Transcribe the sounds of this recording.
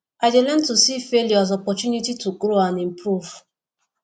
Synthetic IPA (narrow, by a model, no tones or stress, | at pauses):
ad͡ʒelɛ̃n̩tusifeljɔazɔpɔt͡ʃunitituɡɾoanim̩pɾuv